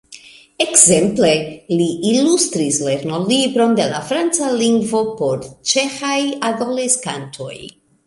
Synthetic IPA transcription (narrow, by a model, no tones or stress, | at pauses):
ekze̞mple̞liilustɾisle̞ɾno̞libɾo̞nde̞lafɾant͡saliŋɡvo̞po̞ɾt͡ʃe̞xajadoleskantʰo̞̰j